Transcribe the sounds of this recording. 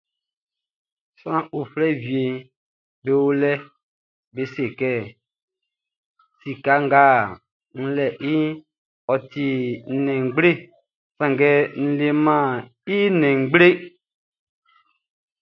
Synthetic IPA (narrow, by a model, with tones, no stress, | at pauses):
sã˦ʔo˨flɛ˦vi˨e˨ | be˨wo˦lɛ˦ | be˨˦se˨kɛ˦ | si˨ka˨˦ŋ˦ɡaː˦˨ | ŋ̩˦lɛ˨ʔi˦ | ɔ˨ti˨nɛ̃˨ŋ˨˦ɡ͡ble˦ | sã˨ŋɡɛ˦n̩˨le˨mã˦˨ | i˦nɛ̃˨ŋ̩˨˦ɡ͡ble˦